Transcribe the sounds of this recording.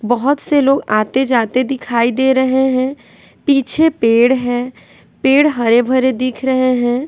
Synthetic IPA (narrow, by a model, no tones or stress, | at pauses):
bɐɦʊt̪seloːɡaːt̪ed͡ʒaːt̪ed̪ɪkʰaːid̪eːɾəɦeɦɛ̃ː | piːt͡ʃʰepeːɽɦɛ̃ː | peːɽɦɐɾebʱəɾed̪ɪkʰɾəɦeɦɛ̃ː